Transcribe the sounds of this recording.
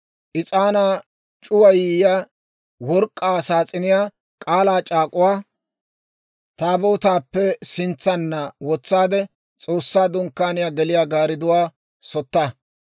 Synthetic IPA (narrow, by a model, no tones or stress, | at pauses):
ʔɪt͡sʼaːnaː | t͡ʃʼʊwɐjiːjaː | wɔɾkʼːaːsaːt͡sʼɪnɪjaː | kʼaːlaːt͡ʃʼaːkʼʊwaː | t̪aːboːt̪aːpːɛsɪnt͡sːɐnːɐwɔt͡sːaːd̪ɛ | t͡sʼoːsːaːd̪ʊŋkːaːnɪjaːɡɛlɪjaːɡaːɾɪd̪ʊwaː | sɔt̪ːɐ